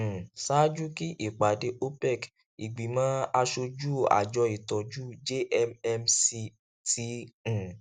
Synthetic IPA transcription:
saː˦d͡ʒu˦ki˦ʔi˦˨k͡pa˨de˧˦ʔo˦pɛ˦˨k | i˨ɡ͡bi˨˦mã˦a˧ʃo˧d͡ʒu˦˨a̰˨d͡ʒɔ˨˧˦i˨tɔ˨d͡ʒu˦d͡ʒe˦ʔɛ˧mɛ˧msi˧ | tĩ˧˦˨

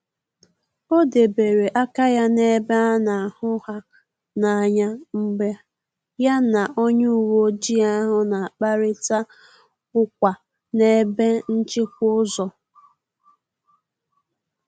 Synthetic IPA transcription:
o˦de˨be˨ɾe˨ʔa˦ka˦ja˦ne˦be˦a˦na˨a˨hʊ˦ha˦ | na˨a˨ɲa˦ŋ͡m̩˦ɡ͡ba˦ | ja˦na˨ʔo˦ɲu˦u˦˨wo˦d͡ʒi˦a˦ɦʊ˦na˨k͡pa˦ɾɪ˦ta˦ | ʊ˦kʷa˨ | ne˦be˦n̩˦t͡ʃɪ˦kʷʊ˦zɔ˨

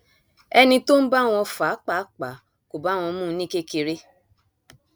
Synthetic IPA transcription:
ɛ˧nĩ˧to˦n̩˦ba˦˨w̃ɔ̃˧fa˨˦k͡pa˨˦k͡pa˨ | ko˨ba˨˦w̃ɔ̃˧˦mũ˦˨˦nĩ˦ke˦ke˧ɾe˦

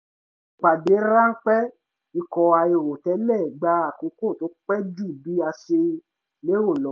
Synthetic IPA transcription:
k͡pa˨de˨˦ɾa˦ŋ̩˦k͡pɛ˦ | i˧˦kɔ˧a˧e˧wo˨tɛ˨˦lɛ˦˨ɡ͡ba˦a˨ko˨˦ko˦˨to˨˦k͡pɛ˦d͡ʒu˦˨bi˨˦a˧ʃe˧ | le˦wo˦˨lɔ˨˦

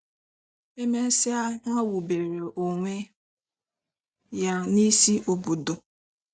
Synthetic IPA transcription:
e˦me˦si˦a˦ŋa˦wu˨be˨ɾe˨ʔo˨ŋʷe˦ | ja˦ni˦si˦ʔo˨bo˨do˨

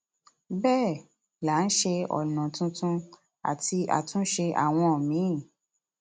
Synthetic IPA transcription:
bɛː˦˨ | la˨˦n̩˦ʃe˧ɔ̰˨nã˨tũ˧tũ˦ | a̰˨ti˧a̰˨tũ˦ʃe˧ʔa̰˨w̃ɔ̃˧ɔ˨mĩ˨˦˨

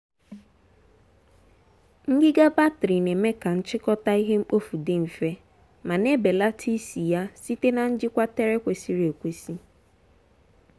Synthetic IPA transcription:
ŋ̩˦ɡɪ˦ɡa˦ba˦tɾi˨ne˨me˦ka˨n̩˦t͡ʃɪ˦kɔ˦ta˦i˦ɦe˦ŋ͡m̩˦k͡po˦fu˨dɪ˦m̩˨fe˦ | ma˨ne˦be˨la˦tʰi˦si˨ja˦si˦te˦na˨n̩˦d͡ʒɪ˦kʷa˦te˦ɾe˦kʷe˨si˨ɾe˨kʷe˦˨si˦

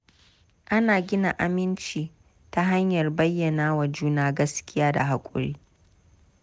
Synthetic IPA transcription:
ʔa˦naː˨ɡʲɪ˦na˨ʔa˨mɪ˦nt͡ʃiː˨ | ta˦ɦa˦ɲjɐ˨rbɐ˦jːɐ˨naː˦wa˨d͡ʒuː˦naː˦ɡɐ˦skʲɪ˦jaː˦da̰˨ɦa˨kʷʼʊ̰˦˨ɽḭː˦

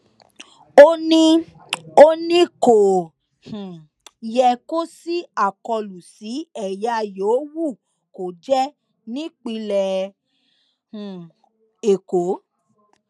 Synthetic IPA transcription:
o˦nĩ˦ | o˦nĩ˦ko˨ | hũ˨ | jɛ˧ko˦si˦a˨kɔ˧lu˨si˨˦ɛ˨ja˧jo˨˦wu˦˨ | ko˨d͡ʒɛ˦ | nĩ˦k͡pi˧lɛ˨ | hũ˨ | e˨ko˨˦

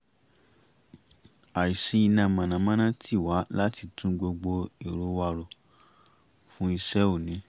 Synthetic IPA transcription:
a˨i˨ʃi˨˧˦i˧nã˨mã˨nã˨˦mã˦nã˦tʰi˦˨wa˨˦la˦ti˧tũ˦ɡ͡bo˧ɡ͡bo˧e˨ɾo˨˦wa˧ɾo˨ | fũ˦i˧ʃɛ˦u˦˨nĩ˨˦

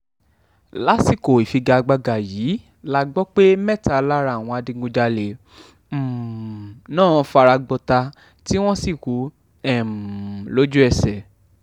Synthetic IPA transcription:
la˨˦si˦˨ko˨i˨fi˧ɡa˧ɡ͡ba˧ɡa˨jiː˨˦ | la˦ɡ͡bɔ˦k͡pe˦mɛ˦˨ta˧la˦ɾa˧˨w̃ɔ̃˧a˧di˧ɡõ˧d͡ʒa˧le˨ | nãː˦˨˧fa˧ɾa˧ɡ͡bɔ˧ta˧ | ti˦w̃ɔ̃˦si˦˨ku˨˦ | ɛ˦˨lo˦d͡ʒu˦ɛ˧sɛ˨

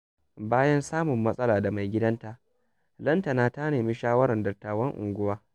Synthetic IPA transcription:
baː˦jɐ˦nsaː˦mʊ˨mːɐ˦sʼɐ˦laː˨da˨ma˨jɡʲɪ˦dɐ˦nta˨ʔ | lɐ˦ntɐ˨naː˦ta˦neː˨miː˦ʃaː˦wɐ˦ɾɐ˨ndɐ˨tːaː˨wɐ˦ŋʔʊ̰˨ŋɡʷʊ˦waː˦

